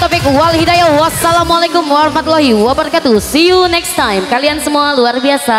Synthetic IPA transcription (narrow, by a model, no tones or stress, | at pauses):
t̪ɔfikwalhidajawasalamualakʊmwaɾɔhmat̪ulaɦiwabərkat̪usijunɛkst̪ajmkaliansəmualuarbiasa